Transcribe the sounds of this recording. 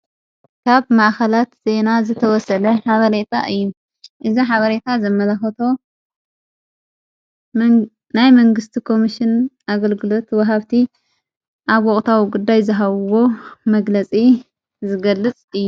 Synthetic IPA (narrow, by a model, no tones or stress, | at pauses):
kʰaβmaʔxɐlat̪z̥e̞nazɨt̪ʰɐwɔsɐlɐħaβɐɾet̪ʰaʔɨjːu | ʔɨziħaβɐɾe̞t̪ʰazɐmɐlɐxɐt̪ʰo̞ | najmɐŋɡɨst̪ʰikʰo̞miʃɪnʔaɡɐlɡɨlo̞t̪wɔɦaβt̪ʰi | ʔaβwɔχʼt̪ʰawiɡud̪ːajzɨɦaβwo̞mɐɡlɐt͡sʼi | zɨɡɐlːɨt͡sʼɨjːu